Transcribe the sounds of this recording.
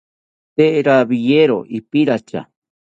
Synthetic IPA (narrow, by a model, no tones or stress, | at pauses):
t̪eʔɾabijeɾoʔipiɾat͡ʃa̰